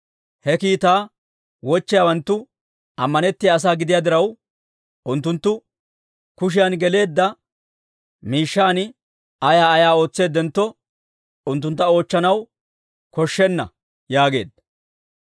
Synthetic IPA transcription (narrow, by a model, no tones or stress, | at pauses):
hɛkiːt̪aː | wɔt͡ʃːɪjaːwɐnt̪ːʊ | ɐmːɐnɛt̪ːɪjaːs̬aːɡɪd̪ɪjaːd̪ɪɾɐw | ʊnt̪ːʊnt̪ːʊ | kʊʃ̬ɪjɐnɡɛle̞ːd̪ːɐ | miːʃːaːn | ɐjaːɐjaːo̞ːt͡sːe̞ːd̪ːɛnt̪ːɔ | ʊnt̪ːʊnt̪ːɐo̞ːt͡ʃːɐnɐw | kɔʃːɛnːɐ̰ | jaːɡe̞̰ːd̪ɐ